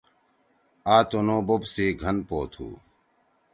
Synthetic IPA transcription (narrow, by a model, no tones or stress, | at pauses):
aːt̪unõːbobsiːɡʱɐnpoːt̪ʰṵː